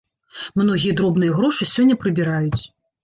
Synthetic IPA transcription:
mnɔɣʲijɐd̪ɾɔbnɨjɐɣɾɔʂɨsʲɔnʲːɐpɾɨbʲiɾajut͡sʲ

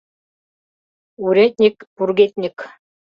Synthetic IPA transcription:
uɾʲet̪̚ʲnʲikpurɡʲet̪̚ʲnʲɪk

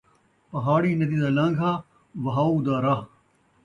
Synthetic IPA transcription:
pɐɦaːɽiːnɐd̪iːd̪aːlɐ̃ŋɡʱaː | ʋɐɦaːuːd̪aːɾa

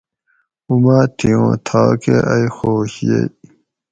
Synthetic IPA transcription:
umaːt̪ʰijõːt̪ʰaːkḛʔɐixoːɕjḛj

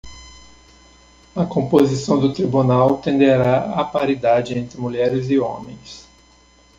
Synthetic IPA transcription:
ɐkõmpozisɐ̃w̃d̪ʊt̪ɾibunawt̪ẽnd̪eɾaapaɾid̪ad͡ʒɪẽnt̪ɾɪmuʎɛɾɪzɪõ̰mẽj̃s

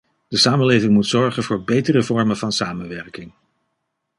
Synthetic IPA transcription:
d̥əsaːmənlejvɪŋmutsɔɹχənvʊːɹbejtərəvɔɹmənv̥ɑnsaːmənʋɛɹkɪŋ

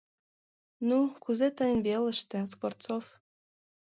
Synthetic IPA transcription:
nukuzet̪əjənβeləʃt̪ĕsport̪sof

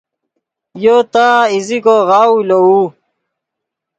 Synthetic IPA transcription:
jot̪aːizikoɣaːulouː

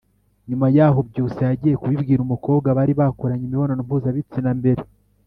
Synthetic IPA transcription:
ɲumajaːɦo̞bɟuːsejaɟije̞kuβibɡiːɾumuko̞ːbɡaβaɾiβakoɾaɲimiβo̞no̞numpuːzaβit͡sinambe̞ɾe

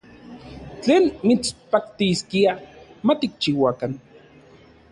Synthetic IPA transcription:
t͡ɬeːnmit͡spak̚t̪iskiamat̪ik̚t͡ʃiwakan

